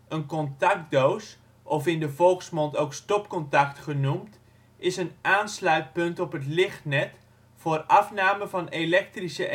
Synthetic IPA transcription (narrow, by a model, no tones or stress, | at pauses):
ənkɔntak̚dows | ʔɔfɪndəvɔlˠxsmɔntowkstɔpkɔntaktχənumt | ɪsənaːnslœɥt̚pɵntɔpɦətlɪχtnɛt | fʊːrɑfnaːməvɑnelɛk̚trisəʔ